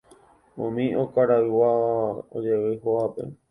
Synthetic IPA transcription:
õ̰mĩokaɾaiwao̰d͡ʒewɨhoapḛ

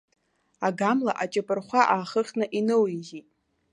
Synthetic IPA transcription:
aɡamlaʔat͡ʃʼɪpʼɨrχʷaʔaːχəχʲnɨʔinɨwiɡitʼ

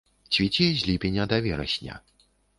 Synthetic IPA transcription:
t͡ɕʲvʲit͡ɕʲizʲlʲipʲenʲad̪avʲɛɾɐ̰ɕʲnʲɐ̰

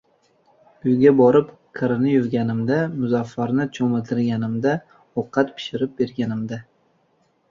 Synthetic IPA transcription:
ʊjɡʲabɒɾɪp | qʰɨɾnɪjʊɾɡʲanɪmd̪amʊzafːaɾnɪt͡ʃʰomat̪ʰɪɾɡʲanɪmd̪a | oqʰːɑt̪pʰɪ̥ʃɪɾɪp̚be̞ɾɡʲanɪmd̪a

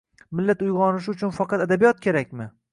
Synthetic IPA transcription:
mɪlːat̪ʊjʁɒnɪʃ̬ʊt͡ʃʰʊnfɑqʰɑt̪ad̪abijɒt̪̚kʲʰe̞ɾakʲmɪ

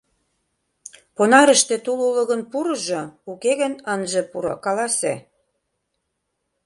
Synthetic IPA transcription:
ponɑɾə̆ʃt̪ĕt̪ululɤ̆ɣə̆npuɾɤ̆ʒŏukeɣə̆nənʒĕpuɾo̰kɑlɑsḛ

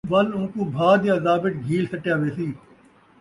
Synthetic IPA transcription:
ʋɐlũːkuːbʱaːd̪jãːzaːbɪʈɡʱiːlsəʈjaːʋeːsiː

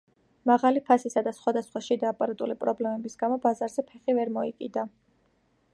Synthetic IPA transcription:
maʁalipʰasisad̪asχwad̪asχwaʃid̪aːpʼaɾat̪ʼulipʼɾɔblɛmɛbisɡ̥amɔbazaɾzɛpʰɛχivɛɾmɔikʼid̪a

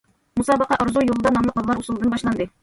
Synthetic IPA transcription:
musɑbɑqɑʔŏɾzujulˠd̪ɑnɑmlˠɤqɑlˠɑɾusɤ̆lˠd̪ɤnbɑɕlˠɑnd̪ɤ

